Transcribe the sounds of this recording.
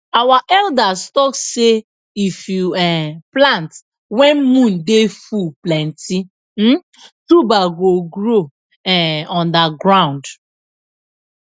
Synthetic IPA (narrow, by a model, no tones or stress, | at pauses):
awaʔɛldastɔkse | ifjuplant | wɛnmũn̩defuplɛn̩ti | m̩ | tubaɡoɡɾo | ɛɔndaɡɾaʊ̃nd